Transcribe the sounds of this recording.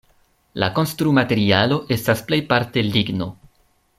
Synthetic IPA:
la̰ko̞nstɾumate̞ɾialo̞ʔe̞stasple̞jpaɾte̞liɡno̞

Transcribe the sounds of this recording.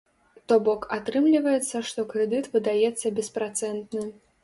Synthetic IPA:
t̪ɔbɔkat̪ɾɨmlʲivɐjɛt̪sːɐʂt̪ɔkɾɛd̪ɨt̪vɨd̪ajɛt̪sːɐbʲɛspɾat̪sɛnt̪nɨ

